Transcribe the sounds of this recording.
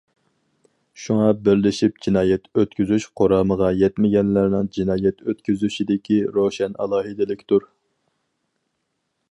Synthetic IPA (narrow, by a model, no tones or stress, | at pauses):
ʃuŋɑbɪɾlɪʃip̚d͡ʒinɑːjɛt̪øt̪̚kʲyzyʃqʰoɾɑːməʁɑjɛt̪mɪɡʲɛnlæɾnɪŋd͡ʒinɑːjɛt̪ʰøt̪kʲyzyʃid̪ɪkʲʰiɾoʃɛnɑ̰lˠɑːɦɨd̪ɪlɪkʲt̪ʰuɾ